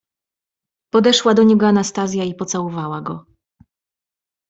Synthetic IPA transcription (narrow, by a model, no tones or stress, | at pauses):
pɔd̪ɛʂwad̪ɔɲɛɡɔanast̪azʲjaipɔt̪sawɔvawaɡɔ